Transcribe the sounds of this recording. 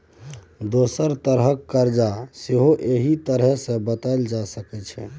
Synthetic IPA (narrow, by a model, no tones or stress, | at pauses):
d̪osəɾt̪əɾɦəkːəɾd͡ʒaseɦoʔeɦit̪əɾɦəsẽbət̪aɪld͡ʒasəkɛt͡ʃʰɛ̰